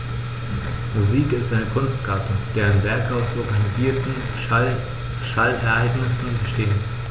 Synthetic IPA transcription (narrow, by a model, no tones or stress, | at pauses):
muziːkɪstʔaɪnəkʰʊnstɡ̥aɐtʊd̥eːɐɪnvɛɐkaʊsɔɐɡaniziːɐtn̩ | ʃalɛɐʔaɪɡnɪsn̩əʃteːən